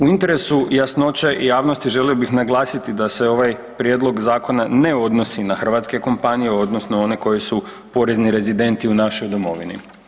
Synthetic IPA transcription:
uint̪e̞ɾe̞sujasno̞t͡ʃe̞ʔijaːʋno̞st̪iʒe̞lio̞bixnaɡlˠaːsit̪id̪ase̞o̞ʋaj | pɾje̞d̪lo̞ɡzaːko̞naneo̞d̪no̞sinaxr̩ʋaːt̪ske̞ko̞mpanijeo̞d̪nosnoo̞ne̞ko̞jesu | po̞ɾe̞zniɾe̞zid̪e̞nt̪iunaʃo̞jd̪o̞mo̞ʋinḭ

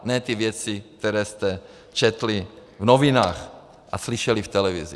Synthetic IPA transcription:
nɛːt̪ivjɛt͡sik̚t̪ɛɾɛːst̪ɛ | t͡ʃɛt̪livnovinaːx | ʔa̰sliʃɛlift̪ɛlɛvizi

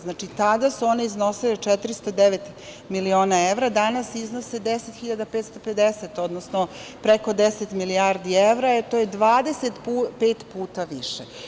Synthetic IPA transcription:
znaːt͡ʃit̪ad̪asuo̞neizno̞silet͡ʃɛt̪ɾist̪od̪eʋet̪ | milioːnaeʋɾad̪anasiznose̞d̪eset̪xiʎad̪apeːt̪st̪o̞pe̞d̪eset̪o̞d̪nosnopɾeko̞d̪eset̪miliaɾd̪ieʋɾaet̪ojed̪ʋaːd̪e̞set̪pupeːt̪puːt̪aʋiʃe

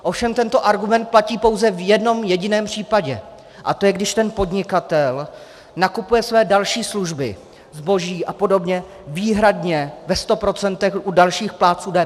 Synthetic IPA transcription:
ʔo̞fʃɛmt̪ɛnt̪o̞ʔaɾɡumɛnt̪̚placiːpo̞wzɛvjɛdno̞mjɛɟɪnɛːmpr̥iːpaɟɛ̰ | ʔa̰t̪ojɛɡdɪʃt̪ɛnpo̞dɲɪkat̪ɛl | nakupujɛsvɛːdalʃiːsluʒbɪ̰ | zbo̞ʒiːʔapo̞do̞bɲɛ | viːɦɾadɲɛvɛst̪o̞pɾo̞t͡sɛnt̪ɛxʔudalʃiːxplaːt͡suːdɛ

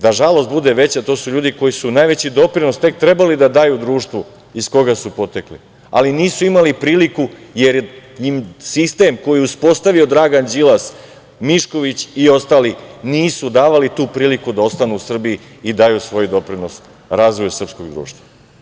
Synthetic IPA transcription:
d̪aʒalo̞st̪̚bud̪e̞ʋe̞t͡ɕat̪o̞ːsuʎuːd̪iko̞jisunaːjʋe̞t͡ɕid̪o̞pɾino̞st̪e̞k̚t̪ɾe̞balid̪ad̪ajud̪ɾuːʃt̪ʋo | isko̞ɡasupo̞t̪eklḭ | a̰liniːsuimalipɾiːlikujeɾɲimsist̪e̞mko̞jiuspo̞st̪aʋio̞d̪ɾaːɡand͡ʑilˠas | miʃko̞ʋit͡ɕio̞st̪aːliniːsud̪aːʋalit̪uːpɾiːlikud̪ao̞st̪anuusr̩bii | id̪aːjusʋo̞jd̪o̞pɾino̞s | ɾazʋojsr̩psko̞ɡd̪ɾṵːʃt̪ʋa

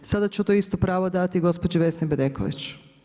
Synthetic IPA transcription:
sad̪at͡ɕut̪oist̪opɾaːʋod̪at̪iɡo̞spod͡ʑeʋe̞snibed̪eko̰ʋḭt͡ɕ

